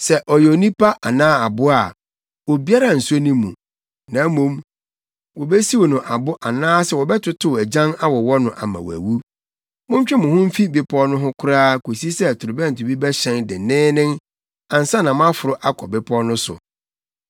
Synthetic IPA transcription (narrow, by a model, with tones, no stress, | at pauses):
sɛ˦ʔɔ˨jo˨nĩ˦pa˦ʔa˨nãː˦a˨bʊ˦a˨ | wo˨bi˦a˦ɾa˦˨n̩˨su˦o˦nĩ˦mũ˨ | nã˨˦mũ˦m | wɔ˨bɛ˦si˦wɔ˨nʊ̃˨ʔa˨bʊ˦ʔa˨nãː˦sɛ˨wɔ˨bɛ˦tʰʊ˦tʰʊ˦˨æ˨d͡ʑã˦na˦wɔ˨wɔ˦nʊ̃˨ʔa̰˨mã̰˨wæ̰˨wu˦ | mʊ̃˦m˦t͡ɕᶣɪ˦mʊ̃˨hʊ̃˦m̩˦fi˦bɪ˦pʰɔ˦nʊ̃˦ɦʊ̃˦kʰʊ˦ɾaː˦ko˨si˦sɛ˦˨tʰʊ˨ɾʊ˨bɛ̃˦˨n˨tʰʊ˨bi˦bɛ˦ɕɛ̃˨ndɪ˨nɪ̃ː˦nɪ̃˦ŋ | ã˨n̩˨sã˦nã˨m˦ã˦fʊ˨ɾʊ˦ʔa˦kʰɔ˨bɪ˦pʰɔ˦nʊ̃˦sʊ̰˨